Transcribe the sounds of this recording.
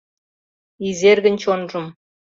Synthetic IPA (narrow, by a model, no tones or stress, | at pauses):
izerɡɘ̆nʲt͡ɕonʐɤ̆m